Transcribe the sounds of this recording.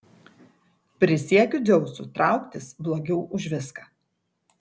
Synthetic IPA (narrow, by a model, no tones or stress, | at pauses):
pʲɾʲɪsʲiɛkʲʊd̪ʲɛʊsut̪ɾɑˑʊkt̪ʲɪsblˠoːɡʲɛʊʔʊʒʲʋʲɪskɑː